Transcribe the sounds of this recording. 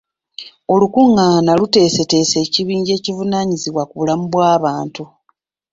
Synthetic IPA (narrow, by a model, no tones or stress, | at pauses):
o̞lukuŋːanalute̞ːse̞te̞ːse̞ːciβiːɲɟe̞ːcivunaɲiziβwakuβulamuβwaːβaːntu